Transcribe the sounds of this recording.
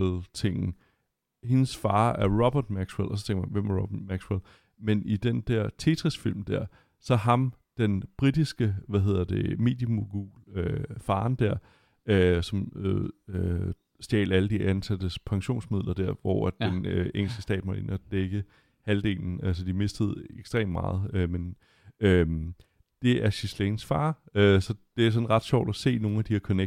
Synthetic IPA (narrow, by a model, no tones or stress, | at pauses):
lt͡sʰe̝ŋ̰n̩ | he̝nəsfɑ̈ːæɐʁɒb̥ɐd̥mæɡ̥swelɒ̽s̬ɒt͡sʰeŋɡɐmænʋemæɐʁɔb̥ɐd̥mæɡ̥swel | menid̥end̥æɐ̰t͡sʰe̝t͡sʰʁisfil̰md̥æɐ̰ | sɒ̽ɦɑ̈m | d̥enb̥ʁid̥isɡ̥əʋæɦe̝ð̞̰ˠɐd̥e̝me̝̰ːd̥jəmoɡ̥uløfɑ̈ːnd̥æɐ̰ | øsɒ̽møø | sd̥jɛ̰ːlæləd̥iænsæd̥əspʰɑ̈ŋɕo̝̰ːnsmið̞̰ˠlʔɐd̥æɐ̰ʋɒæ̥d̥eneŋ̰l̩sɡ̥əsd̥ɛ̰ːd̥mɑe̝̰næd̥eɡ̥ə | hæld̥e̝̰ːln̩æls̬əd̥ime̝sd̥əð̞̩ˠeɡ̥sd̥ʁḛːmmɑ̰̈ːð̞̩ˠømen | øm | d̥e̝æɐɕislensfɑ̈ːøsɒ̽d̥e̝æɐs̬ɒ̽nʁɑ̈d̥ɕɒ̰ʊd̥æse̝̰ːno̝ːn̩æd̥ihæɐkʰɒ̽ne